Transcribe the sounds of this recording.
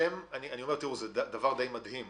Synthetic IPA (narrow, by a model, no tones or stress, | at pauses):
emanianio̞met̪iuzed̪d̪ɐvaʁd̪ejmad̪him